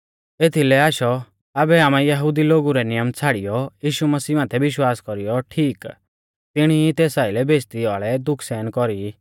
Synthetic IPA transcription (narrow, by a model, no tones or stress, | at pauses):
et̪ʰilɛaːʃɔ | aːbɛaːmãjɐɦud̪iloːɡuɾɛnɪjəmt͡sʰaːɽijɔjiːʃumɐsiːmaːt̪ʰɛʋɪʃwaːskɔɾijɔʈʰiːk | t̪ɪɽ̃iit̪eːsaːɪlɛbeːt͡ʃt̪iaːɭɛd̪ʊkʰsɛːnkɔɾi